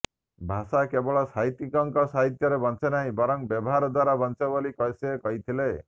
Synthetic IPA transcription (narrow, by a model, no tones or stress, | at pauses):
bʱasakebɔɭɔsaɦit̪ikɔŋkɔsaɦit̪jɔɾebɔnt͡ʃʰenaɦĩbɔɾɔŋbjɔbɔɦaɾɔd̪waɾabɔnt͡ʃebolikɔjsekɔɦit̪ʰile